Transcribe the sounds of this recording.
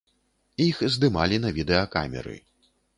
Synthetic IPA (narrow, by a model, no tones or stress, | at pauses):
ixzd̪ɨmalʲinɐvʲid̪ɛjɐka̰mʲɛ̰ɾɨ̰